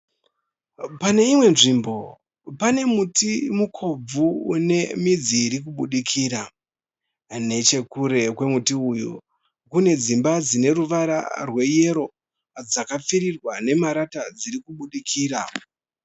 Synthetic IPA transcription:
pane̞imwe̞nʐimbo̞ | pane̞mutimukʰo̞b͡vune̞mid͡ziːɾik̬uɓuɗikʰiːɾa | ne̞t͡ʃe̞kuɾe̞kwe̞mutiujṵ | kune̞d͡zimbad͡zine̞ruʋaɾa̰rwe̞je̞ɾo̞ | d͡zakap͡fiɾirwane̞maɾatad͡ziɾikuɓuɗikʰiːra

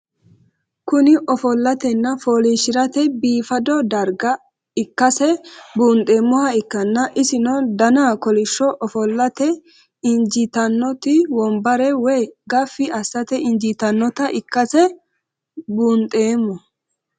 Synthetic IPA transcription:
kʊnɪʔɔfɔlːɐt̪ɛnːɐfoːliʃɪɾɐt̪ɛbiːfɐd̪ɔd̪ɐɾɡɐ | ɪkːɐsɛbuːnt̪ʼe̞ːmːɔhɐɪkːɐnːɐʔɪsɪnɔd̪ɐnaːkɔlɪʃːɔʔɔfɔlːɐt̪ɛ | ɪnd͡ʒɪt̪ɐnːɔt̪ɪwɔmbɐɾɛwɛjɡɐfːɪɐsːɐt̪ɛɪnd͡ʒit̪ɐnːɔt̪ɐʔɪkːɐsɛ | buːnt̪ʼeːmːɔ

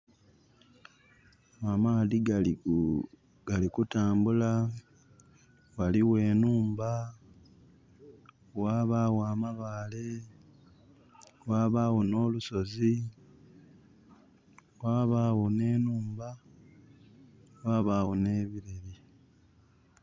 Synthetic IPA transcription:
amaðiɡ | ɡalikutaːmbula | waliwe̞ːnuːmba | waːβawaːmaβaːle̞ | waβawono̞ːluso̞zi | waːβaːwone̞ːnuːmba | waːβaːwone̞ːβiɾeɾi

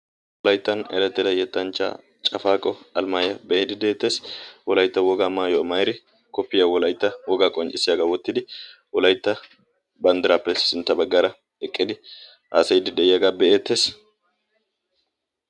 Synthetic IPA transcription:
wɔlɐjt̪ːɐnɛ̰lɛt̪ːɪd̪ɐjɛt̪ʼːɐnt͡ʃːa̰ː | t͡ʃʼɐfaːkʼːɔɐlmajɐbɛʔeːd̪ɪd̪eːt̪ːeːswɔlɐjt̪ːɐwɔɡaːmaːjɔmɐjɾɪ | kɔpːɪjɐwɔlɐjt̪ːɐwɔɡaːkʼɔnt͡ʃʼɪsːɪjɐɡawɔt̪ːɪd̪ɪwɔlɐjt̪ːɐ | bɐnd̪ɪɾaːpːɛsɪnt̪ːɐbɐɡːɐɾɐ | ɛkʼːɪd̪ɪ | ʔaːsɐjd̪ɪd̪ɛjjɐɡabɛʔeːt̪ːeːs

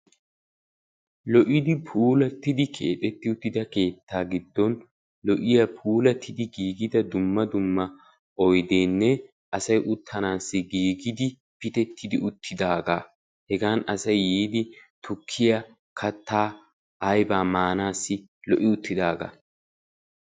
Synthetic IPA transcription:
lɔʔɪd̪ɪpʰuːlɐt̪ːɪd̪ɪkʰe̞ːt̪ʼɛt̪ːɪʊt̪ːɪd̪ɐkeːt̪ːaːɡɪd̪ːɔn | lɔʔɪjɐpʰuːlɐt̪ʰːɪd̪ɪɡiːɡɪd̪ɐd̪ʊmːɐd̪ʊmːɐ | ʔɔjd̪eːnːɛ | ʔɐsɐjʔʊt̪ʰːɐnaːsːɪɡiːɡɪd̪ɪ | pɪt̪ɛt̪ʰːɪd̪ɪʊt̪ʰːɪd̪aːɡaː | hɛɡaːnɐsɐjːiːd̪ɪt̪ʊkʰːɪjɐ | kʰɐt̪ʰːaː | ʔɐjbaːmaːnaːsːɪ | lɔʔɪʊt̪ːɪd̪aːɡa̰

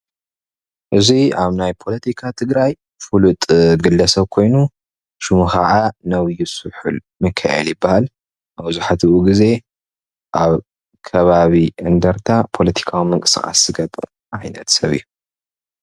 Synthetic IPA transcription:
ʔɨziaβnajpʰo̞lɐt̪ʰikʰat̪ʰɨɡɾaj | fulut̪ʼɡɨlːɐsɐβkʰo̞jnu | ʃɨmuxɐʕanɐwjusɨħul | mɨkʰːɐʔɛ̰ljɪbːahal | wuzuħat̪ʰɨʔuɡize̞ | ʔaβ | kʰɐβaβiʔɨnd̪ɐɾt̪ʰapʰo̞lɐt̪ʰi̥kʰawimɨŋkʼɨ̥sɨxʼa̰szɨɡɐtʼɨ | ʔajnɐt̪sɐβḭjːu

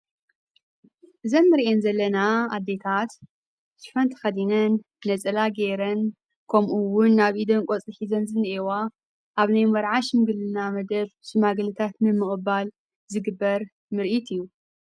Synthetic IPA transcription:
ʔɨzɐnmɨɾʔenzɐlːɐnaa̰d̪ːe̞t̪ʰat̪ | sɨ̥fɐnt̪ʰɐ̥xɐd̪inɐnː | ɐt͡sʼɐlaɡeɾɐn | kʰɐmʔuwʊnːaβʔid̪onkʷʼot͡sʼɨħizɐnzɨnːʔewa | ʔaβnajmɐɾʕaʃmɨɡɨlɨnamɐd̪ɐβsumaɡɐlɨt̪ʰat̪nɨmɨkʼɨbal | zɨɡɨbːɐɾ | mɨɾʔit̪ʰijːu

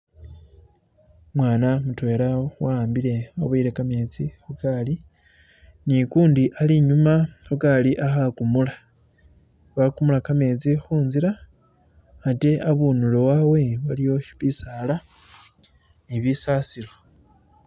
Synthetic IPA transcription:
mwaːnamutwe̞ːlawaːmbile̞aβaiɾe̞kame̞ːt͡sixukali | nikuːndiʔaliɲumahukaliʔaxakumula | βakumulakame̞ːt͡sixuːnziɾaː | te̞ʔaβunulowawe̞βalijo̞ʃi̥βisala | niβisasilo̞

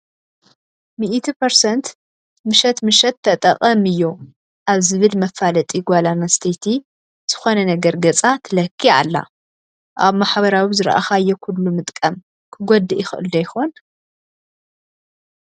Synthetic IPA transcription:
miʔt̪ʰipʰɐɾsɐnt̪ | mɨʃɐt̪mɨʃɐt̪ʰːɐt̪ʼɐ̰qʼɐmɨjːo | ʔaβzɨβɨlmɐfːalɐt̪ʼiɡʷalanɐst̪ʰet̪ʰi | z̥ɨxo̞nɐnɐɡɐɾɡɐt͡sʼat̪ʰɐlɐkʰːia̰lːa̰ | ʔa̰βmaħβɐɾawizɨɾʔa̰xajːɛkʰulːumɨt̪ʼkʼɐm | kʰɨɡʷod̪ɨʔɪxɨ̰ʔɨ̰ld̪ɐjxon

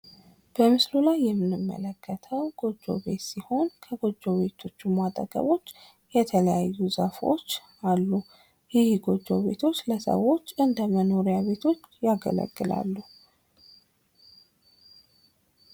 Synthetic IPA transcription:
b̥əmɨslulajːɛmːɨnɨmːə̰ləkʰːət̪ʰəwɡ̥o̞d͡ʒːo̞̰βe̞t̪siho̞nkʰəɡo̞d͡ʒːoβe̞t̪ʰo̞t͡ʃːumat̪ʼəɡə̰βo̞t͡ʃː | jɛt̪ʰələjajːuzafo̞̰t͡ʃː | alːu | jɪhɡo̞d͡ʒːo̞̰βe̞̰t̪ʰo̞t͡ʃːləsə̰wːo̞t͡ʃːɨnd̪əməno̞ɾijaβe̞t̪ʰo̞t͡ʃːjaɡə̰lə̰ɡːɨla̰lːu

